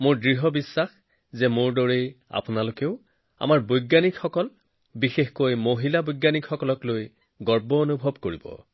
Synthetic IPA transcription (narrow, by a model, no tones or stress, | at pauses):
moɹdɹiɦɔbisːax | zɛmoɹdɔɹeja̰pʊnalokeʊ | a̰maɹbojɡjanikxɔkɔl | bixexkojmoɦilabojɡːanikʰxɔkɔlɔkloj | ɡɔɹbɔonubʱɔbkoɹibɔ̰